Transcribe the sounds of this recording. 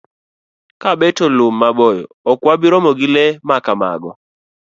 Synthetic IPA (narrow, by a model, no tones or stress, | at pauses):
kabetolʊmːabɔjɔɔkwabiɾɔmɔɡɪlemakama̰ɡɔ